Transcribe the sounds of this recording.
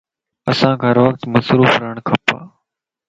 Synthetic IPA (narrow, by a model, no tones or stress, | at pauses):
əsãːɡʰʱəɾʋəkt̪məsɾuːfɾəɳkʰəpa̰ː